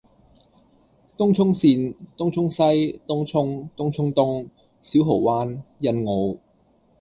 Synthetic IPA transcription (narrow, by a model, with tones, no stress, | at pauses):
t̪ʊ˥ŋt͡ʃʰʊ˥ŋsiː˧nt̪ʊ˥ŋt͡ʃʰʊ˥ŋsɐ˥jt̪ʊ˥ŋt͡ʃʰʊ˥ŋt̪ʊ˥ŋt͡ʃʰʊ˥ŋt̪ʊ˥ŋ | siː˨˥wɦo˨˩wwaː˥njɐ˧nŋo˨˧w